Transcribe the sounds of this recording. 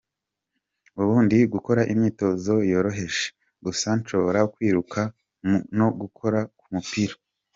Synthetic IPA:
uβuːndiɡuko̞ɾaʔimɲiːto̞zo̞jo̞ːɾo̞ɦe̞ʃe̥ | ɡusant͡ʃoβoɾaukwiːɾukʰa | noɡukʰo̞ɾakumupiɾa

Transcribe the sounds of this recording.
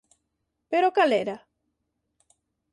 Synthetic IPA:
peɾokaleɾa

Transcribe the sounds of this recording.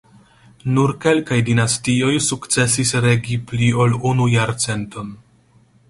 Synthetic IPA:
nuɾke̞lkajdinastio̞jsukt͡se̞sisɾe̞ɡiplio̞lunujaɾt͡se̞nto̞n

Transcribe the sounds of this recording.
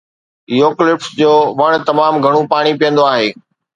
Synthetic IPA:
joːklɪfsd͡ʑoːʋɐɽ̃̆t̪ɐmaːmɡʱɐɽ̃ũpaːɽ̃ipijə̃nd̪oaːɦeː

